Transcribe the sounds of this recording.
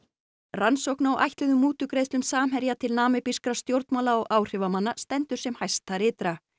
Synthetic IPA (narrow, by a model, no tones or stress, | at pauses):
ransowhknawʔa̰jht̪lɪðʏmːuːt̪ʏkɾejðst̪lʏmsaːmɦɛɾjat̪ʰɪlnaːmɪpiskɾast̪jowɾt̪mawlaɔɣaːwr̥ɪvamanːast̪ɛnt̪ʏɾ̥sɛmhajst̪aɾɪːt̪ɾa